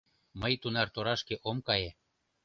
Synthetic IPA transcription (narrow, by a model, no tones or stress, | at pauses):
məjt̪unɑrt̪oɾɑʃkeʔomkɑje